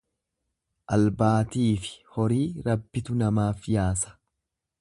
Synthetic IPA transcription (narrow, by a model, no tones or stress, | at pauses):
ʔɐlbaːt̪iːfɪ̥hɔɾiːɾɐbːɪt̪ʊnɐmaːfjaːsɐ̥